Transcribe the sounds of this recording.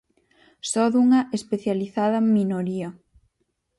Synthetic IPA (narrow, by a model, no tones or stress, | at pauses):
sɔðuŋɐʔespeθjaliθaðɐminoɾiɐ